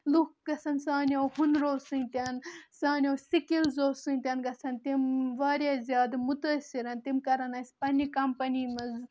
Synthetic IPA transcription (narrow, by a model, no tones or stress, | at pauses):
lukɡɐsɐnsaːnʲowhunɾoːsɨnʲt̪ʲɐnsaːnʲowsikilzoːsɨnʲt̪ʲɐnɡɐsɐnt̪imʋaːɾʲjazʲjaːd̪mut̪ɐsiɾɐnt̪imkɐɾɐnɐsʲpɐnʲikɐmpɐniːmɐz